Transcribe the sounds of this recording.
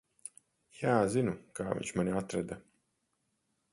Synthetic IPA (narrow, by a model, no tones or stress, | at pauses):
jaːzinukaːvʲḭɲʲt͡ʃmanʲiat̪ɾɛd̪a